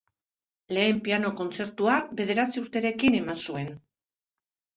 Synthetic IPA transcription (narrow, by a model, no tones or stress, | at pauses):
le̞ːmpiano̞ko̞nt͡se̞ɾt̪uaβe̞ð̞e̞ɾat͡siuɾt̪e̞ɾe̞kine̞mansue̞n